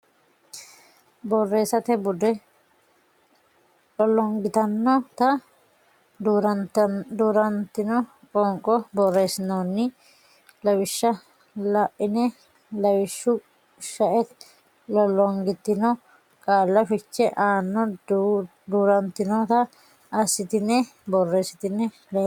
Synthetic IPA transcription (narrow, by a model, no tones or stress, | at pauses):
bɔrːe̞ːsɐt̪ɛbʊd̪ɛ | lɔlːɔŋɡɪt̪ɐnːɔt̪ɐ | d̪uːɾɐnt̪ɪnɔ | kʼɔŋkʼɔbɔrːe̞ːsɪnoːnːɪ | lɐwɪʃːɐ | lɐʔːɪnɛ | lɐwɪʃːʊ | ʃɐʔɛt̪ | lɔlːɔŋɡɪt̪ːɪnɔ | kʼaːlːɐfɪt͡ʃːɛʔaːnːɔ | d̪uːɾɐnt̪ɪnɔt̪ɐ | ɐsɪt̪ɪnːɛbɔrːeːsɪ̥t̪ɪnːɛ | l